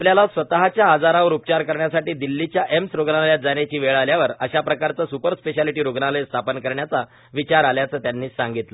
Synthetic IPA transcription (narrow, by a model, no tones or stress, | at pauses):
apljalasʋət̪aɦat͡ɕjaːd͡zaɾaʋəɾup̚t͡ɕaɾkəɾɳjasaʈiːd̪ilːit͡ɕjaʔemsɾoɡnajat̪̚d͡zanet͡ɕiːʋeɭaljaʋəɾəɕapɾəkaɾt͡səːsupəɾspeɕaliʈiːɾoɡnaləjst̪ʰapənkəɾɳjat͡sa | ʋit͡ɕaɾaljat͡səːt̪janːiːsaŋɡit̪lə